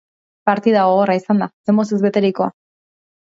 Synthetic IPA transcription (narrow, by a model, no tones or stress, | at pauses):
paɾt̪iðaɣoɣoraisand̪ase̞mo̞s̬ezβe̞t̪e̞ɾiko̞a